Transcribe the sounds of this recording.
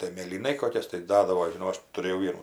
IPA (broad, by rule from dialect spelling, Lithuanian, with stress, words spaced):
tɐɪ mʲeːlʲiːˈnɐɪ ˈkoːkʲɛs tɐɪ ˈdɑːdɐʋoː ʒʲɪˈnɐʊ ˈɐʃ tʊˈrʲeːjɛʊ ˈʋʲiɛnuː